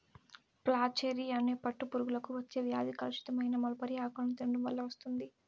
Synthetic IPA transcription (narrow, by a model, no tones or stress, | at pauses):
plaːt͡ʃeːɾiɐneːpɐʈːupuɾuɡulɐkuʋɐt͡ʃːeːʋjaːd̪ikɐlɐʃi̥t̪ɐmɐjnɐmɐlɐpɐɾijaːkɐnut̪eɳɖumʋɐlːɐʋɐst̪und̪i